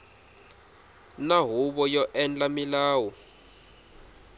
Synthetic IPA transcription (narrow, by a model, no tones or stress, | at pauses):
naɦuɓɔjɔʔɛnd͡ɮamilaːwɔ